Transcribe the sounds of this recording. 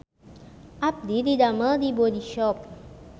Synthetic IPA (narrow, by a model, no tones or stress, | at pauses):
ap̚d̪id̪id̪aməd̪ibod̪iʃɔp̚